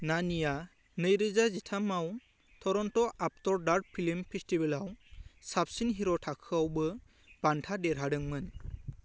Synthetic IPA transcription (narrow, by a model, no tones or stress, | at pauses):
nanija | nɯjɾɯzazitʰamaw | tʰɔɾɔntɔʔap̚tɔɾdaɾ̚pʰilimpʰestibɛlawsap̚sinɦiɾɔtʰakʰɯawbɯ | b̥antʰadɛɾɦadɯŋmɯn